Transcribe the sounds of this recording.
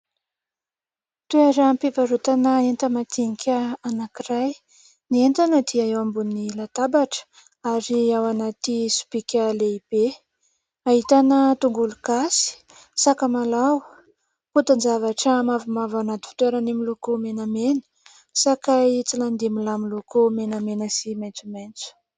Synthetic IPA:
t̪ueɾampipaɾut̪anəent̪əmat̪iŋikʲəanakiraj | nient̪anəd̪iaewambunilat̪abaʈ͡ʂə̥ | aɾiawanat̪isu̥pikʲəleib̥e | aɦit̪anət̪uŋɡulukasi̥ | sakəmalaw | kut̪and͡zavaʈ͡ʂəmavimavanat̪i̥fi̥t̪weɾanimilukumenamenə̥ | sakajt͡siland̪imilamilukumenamenəsiment͡sumejnt͡su̥

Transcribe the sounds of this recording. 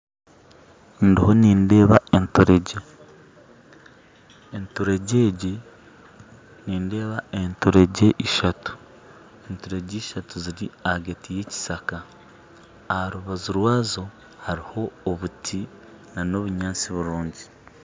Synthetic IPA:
ndiho̞niːnde̞ːβaentuɾe̞ɟe | entuɾe̞ɟeːɟe | niːnde̞ːβae̞ntuɾe̞ɟe̞ʔiʃatu̥ | e̞ntuɾe̞ɟiːʃatuziɾiaɡetije̞ci̥sakaː | haɾuβazuɾwaːzo̞ | haɾiho̞ːβutʰi | nano̞βuɲaːnt͡siβuɾuːɲɟi

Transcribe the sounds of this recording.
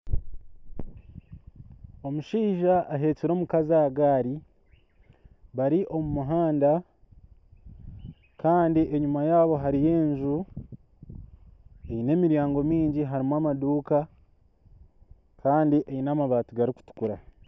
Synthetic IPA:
o̞muʃiːʒaːɦe̞ːciɾo̞ːmukazaɡaːɾi | βaɾiʔo̞mumuɦaːnda | kaːndiʔeɲumajaːβo̞ɦaɾije̞ːɲʒu | e̞jine̞ːmiɾjaːŋɡo̞miːɲɟiɦaɾimwaːmaduːka | kaːndiʔejinamaβaːtuɡaɾiku̥tu̥kuɾa

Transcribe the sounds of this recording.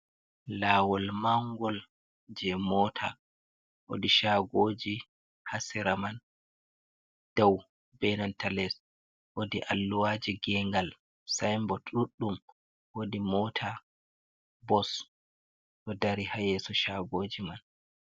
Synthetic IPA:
lawɔlmaŋɡɔl | d͡ʒɛmɔtʰa̰ | ʔo̰diʃaɡod͡ʒi | hasɛɾaman | d̥aw | bɛnantalɛs | ʔodiʔalːuwad͡ʒiɡɛŋɡal | sajmbɔtʼuɗːum | wodimɔtʰa | bɔs | ʔɔdaɾihajɛsɔʃaɡoːd͡ʒiman

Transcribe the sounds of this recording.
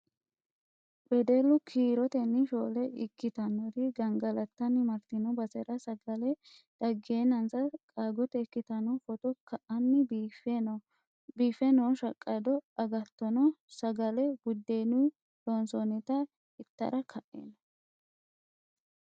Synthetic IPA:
bɛd̪ɛlːʊkʰiːɾɔt̪ɛnːɪʃoːlɛɪkːɪt̪ɐnɔɾɪɡɐŋɡɐlɐt̪ːɐnɪmɐɾt̪ːɪnɔbɐsɛɾɐsɐɡɐlɛ | d̪̥ɐɡeːnɐnsɐkʼaːɡɔt̪ɛɪkːɪt̪ɐnɔfɔt̪ɔkʰɐʔɐnːɪb | biːfɛnɔʃɐkʼːɐd̪ɔɐɡɐt̪ːɔnɔsɐɡɐlɛbʊd̪ːeːnu | dɔnsɔnɛt̪ɐ | ɪt̪ːɐ̰ɾʔɐkʰɐʔḛnɐ

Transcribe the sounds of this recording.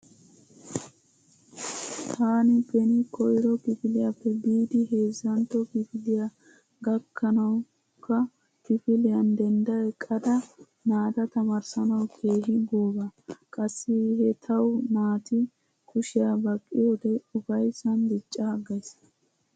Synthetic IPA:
t̪ʰaːnɪpɛnɪkʰɔjɾɔkɪfɪlɪjapːɛbiːd̪ɪɦe̞ːzːɐnt̪ɔkɪfɪlɪja | ɡɐkʰːɐnɐw | kːɐ | kɪfɪlɪjɐnd̪ɛnd̪ɐjɛkʼɐd̪ɐ | maːt̪ɐt̪ɐmɐɾsɐnɐwkʰe̞ːɦɪɡoːbɐkʼɐsːɪhɛt̪ʰɐwmaːt̪ɪ | kʰʊʃɪjɐbɐkʼːɪjo̞ːd̪ɛʊfɐjsɐnd̪ɪt͡ʃʼːaːɡɐjs

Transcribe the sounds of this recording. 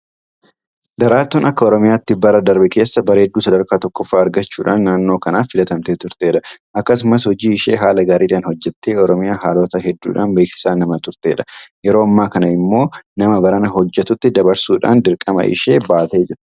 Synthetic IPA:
d̪ɐɾaːt̪ːuːnʔɐkːɐɔɾɔmɪjaːt̪ːɪbɐɾɐd̪ɐɾbɛke̞ːsːɐbɐɾeːd̪ːuːsɐd̪ɐɾkaːt̪ɔkːɔfːaːɐɾɡɐt͡ʃːuːᶑaːnːaːnːo̞ːkɐnaːfːɪlɐt̪ɐmt̪eːt̪ʊɾt̪e̞ːᶑɐʔɐkːɐsʊmɐshɔd͡ʒiːɪʃe̞̰ːɦaːlɐɡaːɾiːᶑaːnhɔd͡ʒːɛt̪ːeːɔɾɔmɪjaːɦaːlo̞ːt̪ɐɦɛd̪ːṵːᶑa̰ːnbeːkɪ̥saːnɐmɐt̪ʊɾt̪e̞ːᶑɐ̥jɛɾo̞ːɐmːaːkɐnɐɪmːo̞ːnɐmɐbɐɾɐnɐɦɔd͡ʒːɛt̪ʊt̪ːɪd̪ɐbɐɾsuːᶑa̰ːnd̪ɪɾkʼɐmɐ̰ʔɪ̰ʃe̞ːbaːt̪e̞ːd͡ʒɪɾɐ̥

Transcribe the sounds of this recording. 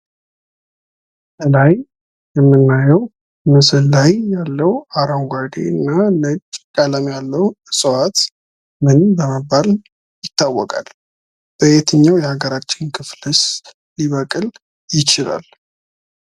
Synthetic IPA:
bəlaj | jɛmːɨnːajɛw | mɨsɨlːajjalːəwaɾawɡad̪ḛɨnːalɨt͡ʃʼːkʼələmjalːəw | sʼɨwat̪ | mɨnbəməbːal | jɪt̪ːawːɔkʼa̰l | b̥əʔet̪ʰəɲːawjɛhaɡəɾat͡ʃːɪnkʰɨflɨs | liβəkʼɨl | jɪt͡ʃɪla̰l

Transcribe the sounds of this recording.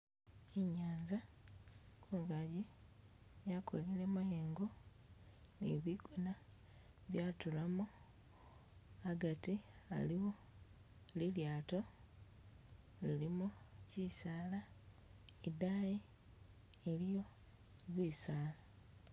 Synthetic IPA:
iɲaːɲza | kʰuŋɡaji | jakʰolilemajeːŋɡo̞ | niβiɡuna | βjaːtulamu | aɡatia̰liwo̞ | liljaːto̞ | lilimucisaːla | idaji | elijo̞ | βiːsaːla

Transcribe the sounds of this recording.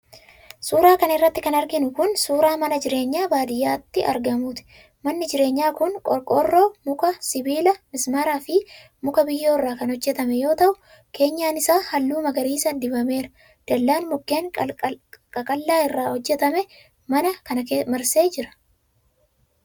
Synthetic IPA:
suːɾaːkɐnɪrːɐt̪ːɪkɐnɐɾɡɪnʊkʊnsuːɾaːmɐnɐd͡ʒɪɾe̞ːɲːaːbaːd̪ɪjaːt̪ːɪʔɐɾɡɐmuːt̪ɪ̥ | mɐnːɪd͡ʒɪɾe̞ːɲːaːkʊnkʼɔɾkʼɔrːoːmʊkɐsɪbiːlɐmɪsmaɾaːfɪ | mʊkɐbɪjːo̞ːɪrːaːkɐnhɔd͡ʒːɛt̪ɐmɛjo̞ːt̪ɐʔʊ | kʰe̞ːɲːaːnɪsaːhɐlːuːmɐɡɐɾiːsɐd̪ɪbɐme̞ːɾɐ̥ | d̪̥ɐlːaːnmʊkːeːŋ | kʼɐkʼɐlːaːɪrːaːhɔd͡ʒːɛt̪ɐmɛ | mɐnɐkɐnɐkemɐɾse̞ːd͡ʒɪɾɐ̥

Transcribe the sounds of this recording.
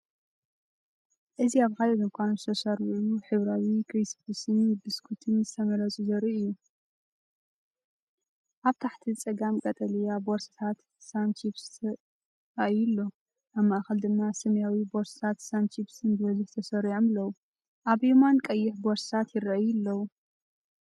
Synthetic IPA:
ʔɨziaβkalɐzɨmkʷʰanuzɨt̪ʰɐsɐɾuʕuuħɨβɾawikʰɾisbusɨnbɨskʰut̪ʰɨnzɨt̪ʰɐmɐɾɐt͡sʼuzɐɾiʔɨjːu | ʔaβt̪ʰaħt̪ʰit͡sʼɐɡamkʼɐt̪ʼɐlijaboɾsɨ̥t̪ʰat̪ | sant͡ʃʰifstʰ | ɾaʔjɪlːo̞ | ʔaβmaʔaxɐld̪ɨmːasɐmɐjawibo̞ɾsɨ̥t̪ʰat̪sant͡ʃʰibsɨnbɨβɐzʊħt̪ʰɐsɐɾʕomlːɐwu | ʔaβjimankʼɐjːɪħboɾst̪ʰat̪jɪɾɐʔɐjɨlːɐwu

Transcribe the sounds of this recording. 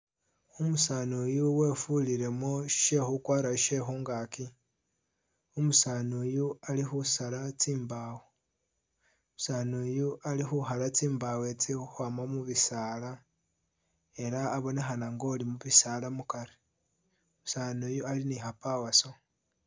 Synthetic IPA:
umusaːnujuwe̞ːfuliɾe̞moʃe̞xukwaːɾaʃe̞xuŋɡaki | umusaːnujualixusalat͡siːmbawe | musaːnujualixuxalat͡siːmbawet͡siuxwamamuβisaːla | e̞ɾaːβo̞nexanaŋɡo̞limuβisaːlamukaɾe | umusaːnujualinixapawaso̞

